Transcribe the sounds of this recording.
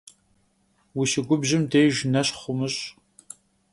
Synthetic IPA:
wiʃɪɡʷʊbʑɪmdejʒnɐɕχʷʊmɨɕʼ

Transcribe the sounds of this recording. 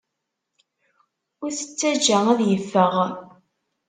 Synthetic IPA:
ʊɾsə̥t͡sːæd͡ʒææðjəfːəʁ

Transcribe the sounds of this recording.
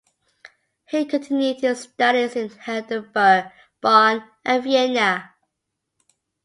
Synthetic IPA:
hikʰə̃ntʰɪ̃njʉd̚ɪzstʌɾizɪ̃nhɛdəbə | b̥ɔn | ʔəviɛnə

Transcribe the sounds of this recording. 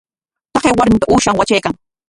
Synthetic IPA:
t̪ɑqewaɾmɪt̪aʔuːʃaŋwat͡ʃajkaŋ

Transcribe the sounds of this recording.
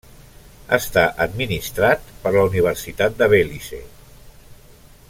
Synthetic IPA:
ə̰st̪aʔəd̪minist̪ɾat̪pəɾləuniβ̞əɾsit̪at̪̚d̪əβelisḛ

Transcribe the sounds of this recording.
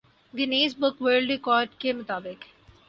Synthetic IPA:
ɡɪniːzbʊkʋəːlɖɾɪkɔːɾɖkemʊt̪aːbɪk

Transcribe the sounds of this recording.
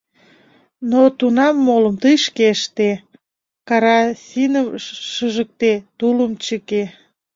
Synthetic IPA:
not̪unɑmːoləmt̪əjʃkeʃt̪e | kɑɾɑsinəmʃəʒək̚t̪et̪uləmt͡ɕəke

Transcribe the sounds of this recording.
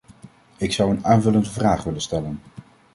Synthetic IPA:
ɪksʌwənaːnvɵləndəvraːχʋɪlənstɛlən

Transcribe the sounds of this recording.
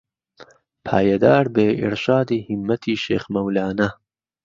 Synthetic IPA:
pʰaːjɐd̪aːɾbeːʔḭɾʃaːd̪iːhimːɐt̪ʰiːʃḛːxmɐwlaːnɐ

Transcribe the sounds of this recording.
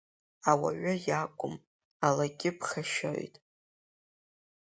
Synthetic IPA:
awa̰ɥʊjakʷʼʊm | alaɡʲɪpʰχaʃo̰jtʼ

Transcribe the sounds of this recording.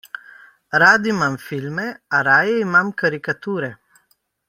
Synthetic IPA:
ɾaːd̪imamfilmɛaɾaːjɛimamkaɾikat̪uːɾɛ

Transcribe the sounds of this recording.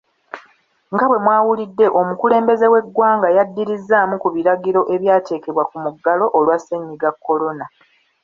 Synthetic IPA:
ŋɡaβwe̞mwaːwulidːe̞ʔo̞mukule̞ːmbe̞ze̞we̞ɡwaːŋɡajadːiɾizːaːmukuβiɾaɡiɾo̞ʔe̞βjaːte̞ːke̞βwakumuɡːalo̞ʔolwaseɲːiɡakːo̞lo̞na

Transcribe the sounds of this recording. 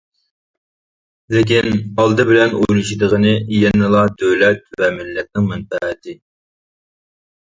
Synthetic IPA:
lɪkʲinɑlˠd̪ɨbɪlɛnojlˠuʃid̪əʁənɨjɛnːɨlˠɑd̪øwlɛt̪̚vɛmɪlːɛt̪̚nɪŋmɛnfæʁɪt̪ʰɪ

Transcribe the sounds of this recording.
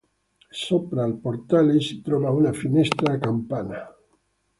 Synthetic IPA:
sopɾaːlpoɾt̪aleset̪ɾoβaunafinest̪ɾakampana

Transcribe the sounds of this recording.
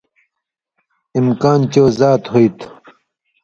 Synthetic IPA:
imkaːnt͡ɕoːzaːt̪hoit̪ʰ

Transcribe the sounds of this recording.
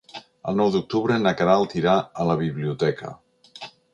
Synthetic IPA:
ə̰lˠnɔwd̪uk̚t̪uβɾənəkaɾalˠt̪iɾaələβiβliut̪ɛkə̰

